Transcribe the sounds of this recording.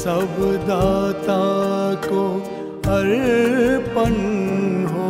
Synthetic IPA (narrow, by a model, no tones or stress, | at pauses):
sɐbd̪aːt̪ako | ɐɾ | pən | ɦo